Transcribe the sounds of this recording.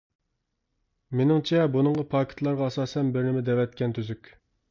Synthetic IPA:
menɪŋt͡ʃʰɛbunɨŋʁɑpʰɑːkʲʰɪ̥t̪ʰlˠɑɾʁɑɑsɑːsɛnbɪɾnɪmɪd̪ɛwɛt̪̚kʲɛnt̪ʰyzykʲ

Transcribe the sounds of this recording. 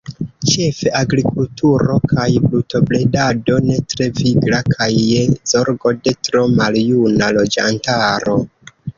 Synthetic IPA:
t͡ʃe̞fe̞ʔaɡɾikultuɾo̞kʰajbluto̞ble̞dado̞ne̞tɾe̞viɡɾakʰajːezo̞ɾɡode̞tɾo̞maljunalo̞d͡ʒa̰ntaɾo̞

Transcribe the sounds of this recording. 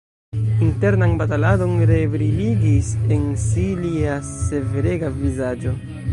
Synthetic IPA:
inte̞ɾnanbatalado̞nɾe̞vɾiliɡise̞nsiliase̞veɾe̞ɡavizad͡ʒo̞

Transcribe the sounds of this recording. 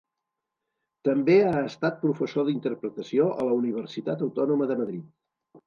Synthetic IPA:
t̪əmbeaəst̪at̪̚pɾufəsoðint̪əɾpɾət̪əsioʔələuniβ̞əɾsit̪at̪əwt̪ɔnuməðəməðɾit̪̚

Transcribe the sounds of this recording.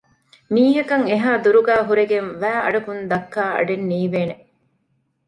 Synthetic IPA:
miːɦɐkɐŋeɦaːd̪uɾuɡæːɦuɾeɡenʋæːʔɐ̰ɖɐkund̪ɐkːaːɐ̰ɖenːiːʋeːne

